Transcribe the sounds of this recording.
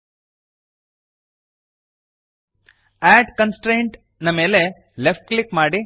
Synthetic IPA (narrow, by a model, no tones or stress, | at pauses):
æːɖkɐnsʈɾejɳʈ | nɐme̞ːle̞ | lefʈ̚klikmaːɽi